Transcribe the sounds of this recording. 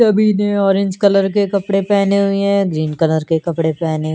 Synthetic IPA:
ɐbʱineɔːɾɪ̃ɲd͡ʒkɐləɾkekɐpɽepɛːneɦʊeɦɛ̃ɡɾiːnkɐləɾkekɐpɽepɛːne

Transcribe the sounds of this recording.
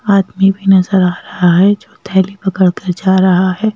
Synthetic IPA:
aːd̪mibʱinɐzəɾaːɾɐɦaɦɛd͡ʒoːt̪ʰɛːlipɐkəɽkɐɾd͡ʒaːɾɐɦaɦɛː

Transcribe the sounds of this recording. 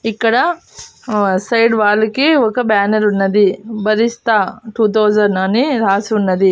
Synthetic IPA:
ikːɐɽɐ | sɐjɖʋaːlukeɔkɐbaːnɐɾunːɐd̪ibɐɾist̪aʈuːt̪̬oːzɐɾnɐniɾaːsunːɐd̪i

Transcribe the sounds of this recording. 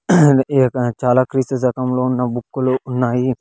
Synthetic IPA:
kt͡ʃaːlaːkɾiːsɐd͡ʒɐkɐmlo̞ːunːɐbukːuluːnːaːji

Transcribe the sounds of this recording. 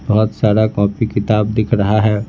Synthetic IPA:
bɐɦʊt̪saːɾakɔ̃ːpikɪt̪aːb̚d̪ɪkʰɾɐɦaɦɛː

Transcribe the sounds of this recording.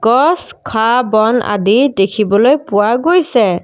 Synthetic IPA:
ɡ̥ɔskʰabɔna̰didekʰibɔlojpʊwaɡojsɛ

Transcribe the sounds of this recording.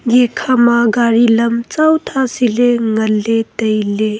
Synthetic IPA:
ɡekʰamaɡaɾiləmt͡sawt̪ʰasileŋɐlːet̪əjle

